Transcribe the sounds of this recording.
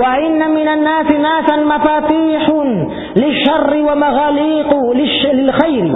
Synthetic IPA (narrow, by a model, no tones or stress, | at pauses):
waʔɪnːamɪnanːaːsɪnaːsamafaːt̪iːħ | lɪʃːɑrˤːɪwamaɣaːliːqlɪʃlɪlxajɾɪ